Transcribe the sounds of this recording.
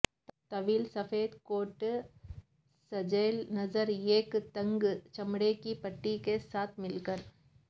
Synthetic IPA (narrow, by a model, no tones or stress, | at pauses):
t̪ɐʋiːlsɐfeːd̪koːʈ | sɐd͡ʒeːlnɐzəɾeːkt̪ɐ̃ŋɡt͡ʃɐmɽekipɐʈːikesaːt̪ʰmɪlkəɾ